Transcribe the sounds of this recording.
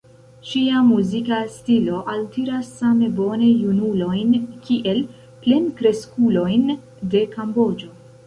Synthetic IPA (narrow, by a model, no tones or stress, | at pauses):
ʃiamuzikastilo̞ʔaltiɾasːame̞bo̞ne̞junulo̞jnkʰiʔe̞l | ple̞nkɾe̞skulo̞jn | de̞kambo̞d͡ʒo̞